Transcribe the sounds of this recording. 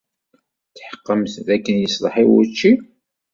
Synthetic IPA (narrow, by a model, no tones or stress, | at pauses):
θħqːəmθðækːənjəsðˤəħiwṵt͡ʃːi